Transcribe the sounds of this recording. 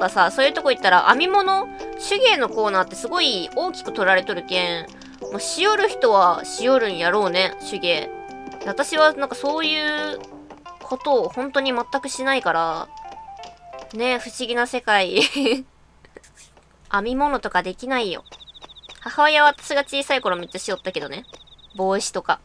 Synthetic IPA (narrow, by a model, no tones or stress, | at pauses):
kasasoːjɯ̟t̪o̞koit̪ːaɾa̰ʔamʲimo̞no̞ɕɨɡʲe̞ːno̞ko̞ːnaːt̪ːe̞sɨɡo̞io̞ːkʲi̥kɯ̟̥t̪o̞ɾaɾe̞t̪o̞ɾɯ̟kẽ̞ɰ | moːɕioɾɯ̟çi̥t̪o̞βaɕijo̞ɾɯ̟̃ɰ̃jaɾo̞ːne̞ɕɨɡʲe̞ːd̪βat̪aɕiβ̞anãŋkaso̞ːjɯ̟ː | kʰo̞t̪o̞ːhõ̞nt̪o̞ɲ̟imat̪ːakɯ̟ɕinaikaɾa | ne̞ɸɯ̟̥ɕiɡʲinase̞kai | amʲimo̞no̞t̪o̞kad̪e̞kʲinaijo̞̰ | hahaβajaβaβat̪ḁɕiɡat͡ɕiːsaiko̞ɾomʲit̪ːaɕijo̞t̪ːake̞d̪o̞ne̞bo̞ːɕi̥t̪o̞ka